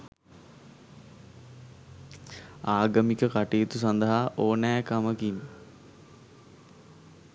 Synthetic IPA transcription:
aːɡəmikəkaʈijːt̪us̬ɐnd̪əɦaʔoːnæːkaməkin

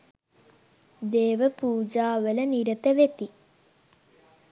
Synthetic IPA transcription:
d̪eːʋɐpuːd͡ʒaːʋəlɐniɾɐt̪ɐʋet̪i

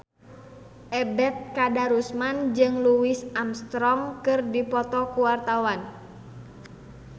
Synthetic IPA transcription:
ʔɛbɛt̪̚kadaɾusmand͡ʒɨŋluwisamst̪ɾɔmkɨrdipɔt̪ɔkuwart̪awan

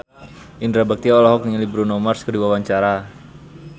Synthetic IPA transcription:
ʔindɾabak̚t̪iaɔlɔɦɔk̚niŋlibɾunɔmarskədiwawaɲt͡ʃaɾa

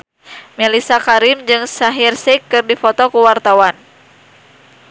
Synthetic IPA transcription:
mɛlisakaɾimd͡ʒɨŋsaɦirsikːɨrdifɔt̪ɔkuwart̪awan

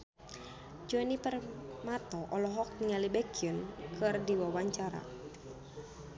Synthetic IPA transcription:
d͡ʒuɛnipərmat̪ɔʔɔlɔɦɔk̚niŋalibɛkiunkɨrdiwawaɲt͡ʃaɾa̰

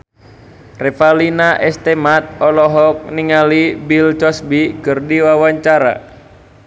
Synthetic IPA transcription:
rɛfalinaʔɛst̪emat̪̚ɔlɔɦɔk̚niŋalibilt͡ʃɔsbikɨrdiwawaɲt͡ʃaɾa̰

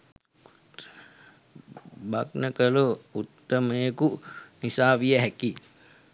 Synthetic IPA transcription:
bak̚nəkəluut̪ːəməjekunisaːʋijəɦɛki

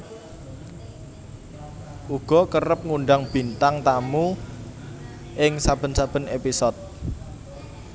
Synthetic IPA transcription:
ʔuɡ̥ɔ̤kərəp̚ŋuɳɖaŋb̥i̤nt̪aŋt̪amu | ʔɪŋsab̥ə̤nsab̥ə̤nepisɔt̪̚

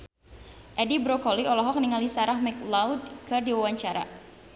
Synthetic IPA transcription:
ʔɛdibɾɔkɔliʔɔlɔɦɔk̚niŋalisaɾahmɛklawd̚kɨrdiwawaɲt͡ʃaɾa̰

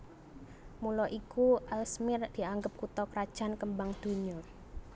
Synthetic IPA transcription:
mulɔʔikuʔalsmɪrd̪̥i̤aŋɡəp̚kut̪ɔkɾad̥ʒ̥a̤nkəmbaŋd̪̥o̤ɲʊr

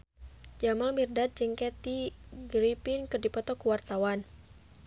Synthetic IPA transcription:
d͡ʒamalmirdat̪̚d͡ʒɨŋkɛt̪iɡɾipinkɨrdipɔt̪ɔkuwart̪awan

